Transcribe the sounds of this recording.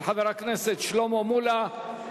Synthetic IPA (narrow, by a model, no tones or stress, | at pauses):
ħaveʁakneset̪ʃlomomula